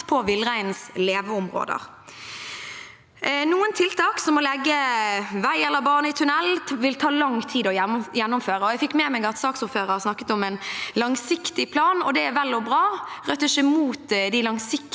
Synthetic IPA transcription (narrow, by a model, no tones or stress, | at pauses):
pʰɔʋɪlːʁæɪnsleːʋəʊmʁo̰ːd̪ə̰ʁ | nuːənt̪ʰɪlt̪ʰɑːksɔmɔlɛɡːəʋæɪɛlːəɾbɑːʁnəɪt̪ʰʉnɛlːʋɪlt̪ʰɑːlɑŋt̪ʰiːd̪ɔjɛnːɔmføːɾəɔjæɪfɪkːmɛːmæɡɑt̪sɑːksʊføːʁəsnɑkːə̥t̪ɔmænlɑŋsɪkt̪ɪpʰlɑːnɔd̪ɛæʋɛlːɔbʁɑːʁœt̪ːɪʂəmuːt̪d̪ɪlɑŋsɪk